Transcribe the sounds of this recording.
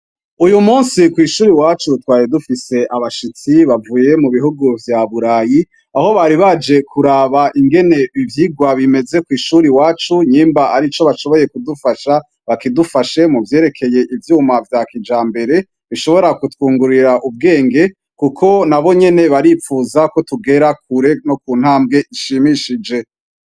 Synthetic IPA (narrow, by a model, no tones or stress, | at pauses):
ujumuːnsikwiːʃuːɾiwaːt͡ʃutwaːjedufise̞ʔaβaʃit͡siβavuːje̞muβiɦuɡuvjaβuɾaːji | aho̞βaɾiβad͡ʒe̞kʰuɾaβaʔiŋɡe̞ne̞ivjiːɡwaβime̞ze̞kwiːʃuɾiwaːt͡ʃuɲiːmbaaɾit͡ʃo̞βaʃo̞βo̞je̞kudufaʃa | βakidufaʃe̞muvje̞ːɾe̞kʰe̞je̞ʔivjuːmavjakid͡ʒaːmbe̞ɾe̞ | βiʃo̞βo̞ɾakutkuːŋɡuɾiɾaʔub̚ɡe̞ːŋɡe̞ | kukʰo̞naβo̞ɲe̞ne̞βaɾifuːzako̞tuɡe̞ɾak̚ʰuɾe̞no̞k̚uːn̥haːmbɡe̞ʔiʃimiʃid͡ʒe̞